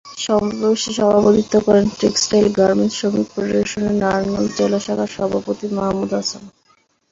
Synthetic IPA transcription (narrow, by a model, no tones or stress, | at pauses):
ʃɔmpobeʃiʃɔbʱabot̪it̪ːokɔɾenʈɾeksʈajlɡaɾmenʈʃomik̚pɾoɖeʃoneɾnaɾanmand͡ʑelaʃabʱaɾʃɔbʱapot̪imɔɦmːud̪asan